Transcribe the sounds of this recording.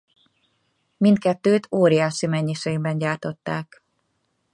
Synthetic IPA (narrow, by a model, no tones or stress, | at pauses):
mint̪kɛt̪ːøːt̪oːɾijaːʃimɛɲːiʃeːɡbɛɲɟaːrt̪o̞t̪ːaːk